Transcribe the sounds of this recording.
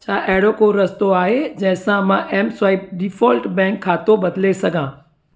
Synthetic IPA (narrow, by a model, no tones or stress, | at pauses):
t͡ɕʰaːʔɐɦɪɽokoɾɐst̪oaːɦed͡ʑɐ̃ɦɪ̃sãmãʔɛːmswaːɪp̚ɖɪfɔːlʈbɛ̃ːŋkʰːaːt̪obɐd̪lesɐɡʱãː